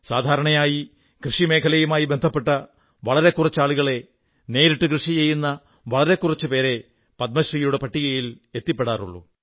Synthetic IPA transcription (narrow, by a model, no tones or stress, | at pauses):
saːd̪ʱaːɾɐɳɐjaːji | krɨʂime̞ːkʰɐlɐjumaːjibend̪ʱɐpːe̞ʈːɐ | ʋɐɭɐɾe̞kːurɐt͡ɕːaːɭuɣɐɭe̞ | ne̞ːɾiʈːɨkrɨʂit͡ɕejːunːɐ | ʋɐɭɐɾe̞kːurɐt͡ɕːɨpe̞ːɾe̞ | pɐd̪̚mɐɕriːjuɽe̞pɐʈːiɣɐjile̞t̪ːipːe̞ɽaːrṵɭːṵ